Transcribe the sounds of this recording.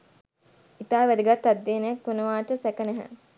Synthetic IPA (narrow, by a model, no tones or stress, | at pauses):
it̪aːʋæd̪iɡat̪ːad̪ːeːnejakːonəʋaːʈəsækənɛɦæ̰